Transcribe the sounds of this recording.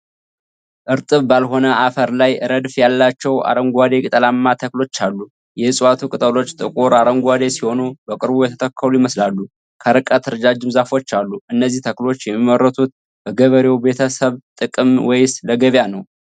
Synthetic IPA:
ʔɨɾt̪ʼɨβbalɦo̞nəʔafəɾlajɨɾəd̪fjalːat͡ʃːɛwa̰ɾəŋɡʷad̪e̞kʼit̪ʼəlamːat̪ʰəklo̞t͡ʃːalːu | jɛɨsʼwat̪ʰukʼɨt̪ʼəlo̞t͡ʃːt̪ʼɨkʼoɾaɾəŋɡʷad̪e̞siho̞nubəkʼɨɾbujɛt̪ʰə̥t̪ʰəkʰːəlujɪməslalːu | kʰəɾɨkʼət̪ʰɨɾɨd͡ʒad͡ʒɨmzafo̞t͡ʃːalːuɨnːəzːiht̪ʰəklo̞t͡ʃːjɛmːiməɾːət̪ʰut̪̚ | bəɡəβəɾe̞wbe̞t̪ʰəsəβt̪ʼɨkʼɨmwɔjsləɡəβjanəw

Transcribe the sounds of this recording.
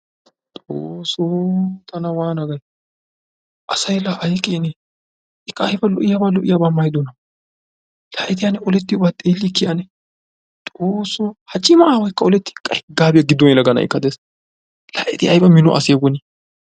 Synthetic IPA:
t̪ʼoːsot̪ʰɐnɐwaːnɐɡɐj | ʔɐsɐjlɐʔɐjkʼeːnɛ | ʔɪkːɐːjbɐlɔ̰ʔɪjaːbaːlɔʔɪjaːbaːmɐjd̪ɔnɐ | lɐʔɛt̪ɪjanɛʔɔlɛt̪ːɪjʊbaːt̪ʼeːlːɪkːɪʔɐnɛ | t̪ʼoːsɔhɐt͡ʃʼːɪmɐʔaːwɐjkːɐɔlɛt̪ːɪ̥kʼːɐɛɡaːbɪjɐɡɪd̪ːɔnɪlɐɡɐnɐ̰ɪ̰kːɐd̪eːs | lɐ̰ʔɛt̪ɪɐjbɐmɪnɔ̰ʔɐ̰sɪjɡɔni

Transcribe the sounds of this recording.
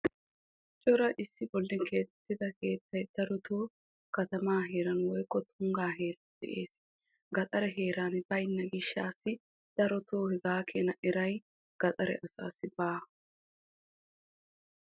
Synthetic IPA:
t͡ʃʼɔɾɐʔɪsːɪbɔlːɪŋke̞ːt̪ɛt̪ːɪd̪ɐke̞ːt̪ːɐjd̪̥ɐɾɔt̪ʰoː | kɐt̪ɐmaːɦe̞ːɾɐnwɔjkːɔt̪ʰʊŋɡaːɦe̞ːɾɐd̪̥ɛ̰ʔeːs | ɡɐt̪ʼɐɾɛɦe̞ːɾanbɐjɪnːɐɡɪʃːa̰ːsɪ | d̪̥ɐɾɔt̪oːhɛɡaːkʰenɐʔɛɾɐj | ɡ̥ɐt̪ʼɐɾɛ̰ʔɐsa̰ːsːɪbaː

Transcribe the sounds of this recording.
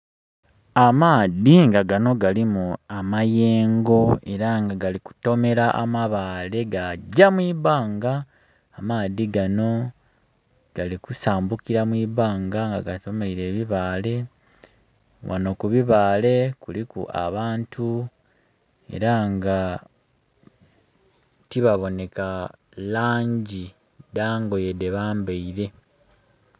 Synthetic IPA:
amaːðiŋɡaɡano̞ɡalimuamaje̞ːŋɡo̞e̞ɾaŋɡaɡaliku̥to̞me̞ɾaʔamaβaːle̞ɡaɟamwiːβaːŋɡaː | maːðiɡano̞ | ɡ̥alikusaːmbukiɾamwiːβaːŋɡaŋɡaɡato̞meiɾe̞ːβiβaːle̞ | wʔa̰no̞kuβiβaːle̞kulikṵʔa̰βaːntʰu | e̞̰ɾaŋɡa | tiβaβo̞ne̞ka | laːɲɟi | daːŋɡo̞je̞de̞βaːmbeiɾe̞

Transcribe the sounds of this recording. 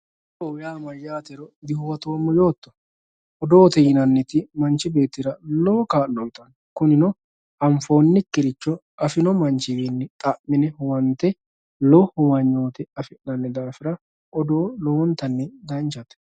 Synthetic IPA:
ʔɔwjaːmɐjaːt̪ɛɾɔd̪ɪhʊwɐt̪o̞ːmːɔjoːt̪ːɔ̥ | ʔɔd̪o̞ːt̪ɛjɪnɐnːɛt̪ɪmɐnt͡ʃːɪbe̞ːt̪ːɪɾɐloːkaːlːɔjt̪ʼɐn | kʊnɪnɔ | ɐɱfo̞ːnːɪkːɪɾɪt͡ʃːɔ | ɐfɪnɔmɐnt͡ʃːɪbenːɛt̪ʼɐʔːɪnɛwɐnt̪ɛ | lɔhʊwɐɲːoːt̪ɛɐfɛʔnɐnːɛd̪aːfɪɾɐ | ʔɔd̪oːlowɔnt̪ːɐnːɛd̪ɐnt͡ʃɐt̪ɛ̥

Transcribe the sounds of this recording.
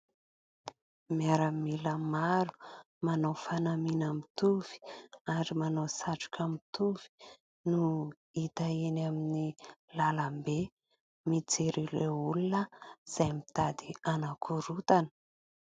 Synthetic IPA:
miaɾamiləmaɾu̥ | manawfanaminamit̪uv̥i̥aɾimanawsaʈ͡ʂu̥kʲʰamit̪uvi̥ | nu | it̪aenaminilalambe | mid͡zeɾireulunəz̥ajmit̪ad̪ianakʰuɾut̪anə̥

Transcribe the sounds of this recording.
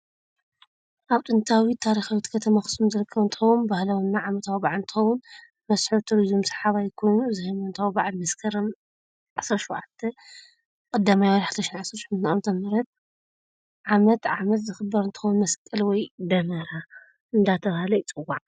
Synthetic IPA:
ʔaβt̪ʼɨnt̪ʰawit̪ʰaɾixawit̪kʰɐt̪ʰɐmaxɨ̥sumzɨɾɨkʰːɐβɨnt̪ɨxɐwumbahlawnːaʕamɐt̪ʰawbaʕlɨnt̪ʰɨxɐwʊn | mɐsħut̪ʰuɾizumsɐ̥ħaβajkʰo̞jnuɨzɨhɐmɐnt̪ʰawbaʕalmɐskʰɐɾɐm | ʕasɾɐʃuwʕat̪ʰːɐ | kʼɐd̪ːamajwɐjħad̪ɐʃinʕasɾɐɾʃnawnt̪ʰɐmɐɾɐt̪̚ | ʕamɐt̪ʕamɐt̪zɨxɨbːɐɾɨnt̪ʰɨ̥xɐwnmɐskʼːɐlwɔjd̪ɐmɐɾa | ʔɨnd̪at̪ʰɐβahalɐt͡sʼɨwːaʕ

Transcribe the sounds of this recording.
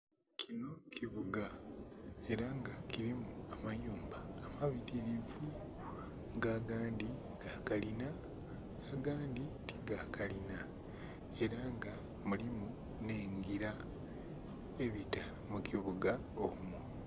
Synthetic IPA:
kʰino̞cʰiβuɡa | e̞ɾaŋɡakiɾimuamajuːmbaːmaβiɾiɾivu | ŋɡaːɡaːndi | ɡaːkalinaː | ɡaːnditiɡakalina | e̞ɾaŋɡa | mulimu | ne̞ːŋɡiɾa | e̞βita | mukʰiβuɡa | oumu

